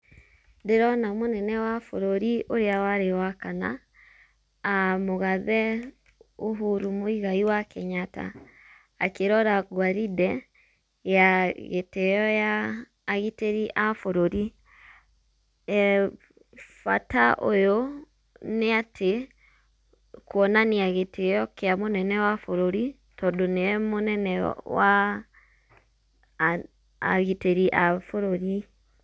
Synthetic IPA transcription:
ndeɾɔnamonɛnɛwafoɾoɾioɾeawaɾewakana̰ | moɣaðɛ | oɦuɾumoiɣaiwakɛɲata̰ː | keɾɔɾaɡwaɾidɛ | jaɣetɛjɔjaː | ɣiteɾiʔafoɾoɾi | ɛ | fa̰taʔo̰jo | neatʰe | kwɔnaniaɣetejɔkeamonɛnɛwafoɾoɾi | tɔdoneɛmonɛnɛ̰wa | ɣiteɾiʔafoɾoɾi

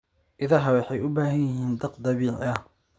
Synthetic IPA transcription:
ʔɪðɐɦɐwɑħɑjʔʊbaːɦɐjjɪɦiːnd̪ɑqd̪ɑβiːʕɐ

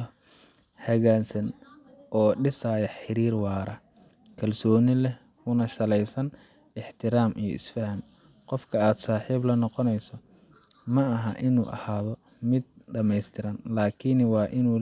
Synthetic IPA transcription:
hɐɣaːnsɐn | ʔɔːɖɪsaːjɐħɪɾiːrwɑːɾɐ | kʰɐlsɔːnɪlɛ | kʊnɐʃɐlɛjsɐn | ɪħt̪ʰɪɾaːmʔḭjɞ̰ɪ̰sfɐhɐn | qɔfkʰɐaːd̪saːħiːblɐnɔqɔnɛjsɔ | mɐɐɦɐʔɪnṵːʔɐ̰haːðɔ | mɪd̪̚ɖɐmɛjst̪ʰɪɾɐnlaːkʰɪnwɑːʔɪnuː

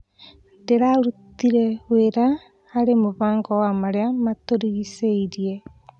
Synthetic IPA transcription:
ndeɾaɾut̪iɾeweɾaː | ɾemuβaːŋɡowamaɾeamat̪oɾiɣiseiɾie

